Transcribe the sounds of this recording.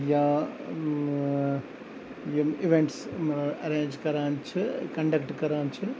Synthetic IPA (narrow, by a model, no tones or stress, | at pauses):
jaː | ɪʋeɳʈsɐɾeːɲd͡ʒkɐɾaːnt͡ʃɨkɐɳɖɐkʈkɐɾaːɲt͡ʃɨ